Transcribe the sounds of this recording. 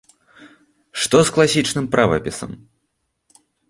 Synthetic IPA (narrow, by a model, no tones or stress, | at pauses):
ʂt̪ɔsklˠasʲit͡ʂnɨmpɾʔavɐ̰pʲisɐ̰m